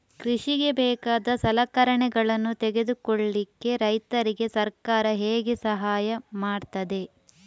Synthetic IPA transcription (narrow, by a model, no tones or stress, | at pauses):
kɾiʂiɡe̞bɛːkaːd̪ɐsɐlɐkɐɾɐɳɛɡɐɭɐnːut̪ɛɡe̞d̪ukoɭːikːe̞ɾɐjt̪ɐɾiɡe̞sɐɾkaːɾɐɦeːɡesɐɦaːjɐmaːɖt̪ɐd̪e̞